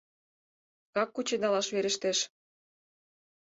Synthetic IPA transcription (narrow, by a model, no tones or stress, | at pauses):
kɑkːut͡ɕenɑlɑʃβeɾə̆ʃt̪eʃ